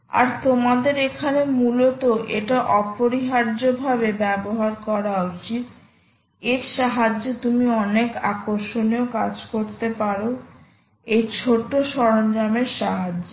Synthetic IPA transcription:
a̰ɾt̪omad̪eɾekʰanemulot̪oʔeʈaʔɔpoɾiɦaɾd͡ʑobʱabebɛboɦaɾkɔɾaot͡ɕi | eɾʃaɦad͡ʑːet̪umiɔneka̰koɾʃoneokad͡ʑkoɾt̪epaɾo | ejt͡ɕʰoʈːoʃɔɾond͡ʑameɾʃaɦad͡ʑː

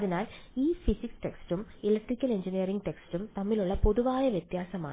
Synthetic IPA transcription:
ðinaːliːfisiksʈe̞ksʈumilɐk̚ʈrikʲːɐle̞ɲd͡ʑinijɐɾiŋɡʈe̞ksʈumt̪ɐmːiluɭːɐpo̞ðuʋaːjɐʋjet̪jaːsɐma̰ː

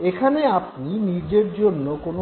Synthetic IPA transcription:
ekʰaneap̚ninid͡ʑeɾd͡ʑonːokono

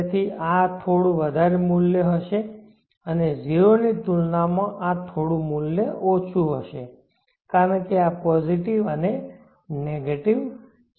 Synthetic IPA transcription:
t̪ʰiat̪ʰoɽũʋəd̪ʱaɾemuljəɦəʃe | əned͡ʒiɾonit̪ulnamãʔat̪ʰoɽũmuljəʔot͡ʃʰuɦəʃe | kaɾənkeapɔziʈiʋəne | neɡeʈiʋ

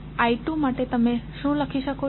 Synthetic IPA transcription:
aiʈumaʈet̪əmẽʃũləkʰiʃəko

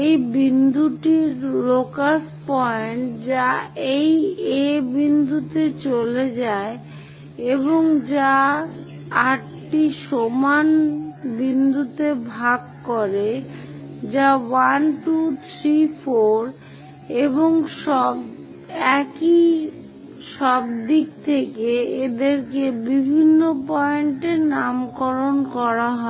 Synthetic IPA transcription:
ejbind̪ʱuʈiɾlokaspɔeɳʈd͡ʑaejebind̪ʱut̪et͡ɕoled͡ʑae | eboŋd͡ʑa | aʈ | ʈiʃomanbind̪ʱut̪ebʱaɡkoɾe | d͡ʑawanʈut̪ʰɾifoɾ | eboŋʃɔb | ɛki | ʃɔbd̪ik̚t̪ʰekeed̪eɾkebibʱinːopɔeɳʈeɾnamkɔɾonkɔɾaɦɔ

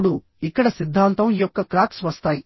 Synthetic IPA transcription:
ɽu | ikːɐɽɐsid̪ʱːaːnt̪ɐmijɔkːɐkɾaːksʋɐst̪aːji

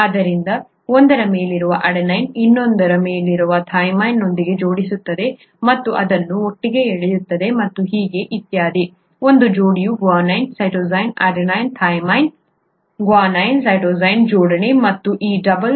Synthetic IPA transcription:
ɐd̪ɐɾind̪ɐ | ond̪ɐɾɐme̞ːliɾuʋɐʔɐɽɐnɐjninːo̞nd̪ɐɾɐmeːliɾuʋɐt̪ʰɐjmɐjnːo̞nd̪iɡe̞d͡ʒo̞ːɽisut̪ːɐd̪e̞ | mɐt̪ːuʔɐd̪ɐnːuoʈːiɡe̞eɭejut̪ːɐd̪e̞mɐt̪ːuɦiːɡe̞ʔit̪jaːd̪i | o̞nd̪ud͡ʒoːɽijuɡʋaːnɐjnsɐjʈoːzɐjnɐɖnɐjnt̪ʰɐjmɐjn | ɡʋaːnɐjnsɐjʈoːzɐjnd͡ʒoːɽɐɳemɐt̪ːuʔiːɖɐbɐl

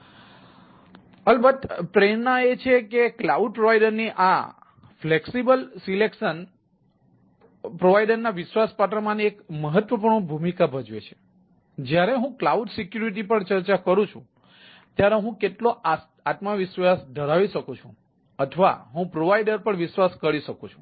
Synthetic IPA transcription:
əlbət̪ʈɾenːaet͡ʃʰekeklauɖ̚pɾoʋajɖəɾniʔa̰ | fleksibəlsilekʃən | pɾoʋajɖəɾnaʋɪʃʋaspaʈ̬əɾmãniekməɦət̪ʋəpuɾɳbʱumikabʱəd͡ʒʋet͡ʃʰe̥ | d͡ʒjaɾeɦũklauɖsikjuɾiʈ̬ipəɳt͡ʃəɾt͡ʃakəɾũt͡ʃʰṵ̃ | t̪jaɾeɦũkeʈloa | at̪maʋiʃʋasd̪ʱəɾaʋiʃəkũt͡ʃʰṵ̃ | ət̪ʰʋa̰ɦũpɾoʋaiɖəɾpəɳʋiʃʋaskəɽiʃəkũt͡ʃʰũ̥

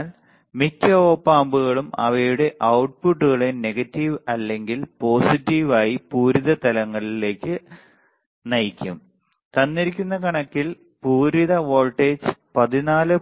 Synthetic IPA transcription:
l | mikːɐoːpːaːmbuɣɐɭumɐ̰ʋɐjuɽe̞ʔɐwʈ̚puʈːuɣɐɭene̞ɡɐtːiʋɐlːe̞ŋɡilpo̞ːsitːiʋaːjipuːɾiðɐt̪ɐlɐŋːɐɭile̞ːkːɨ | nɐjikʲːum | t̪ɐnːiɾik̬ʲːunːɐkɐɳɐkːil | puːɾiðɐʋo̞ːɭʈːeːd͡ʑpɐðinaːlɨ

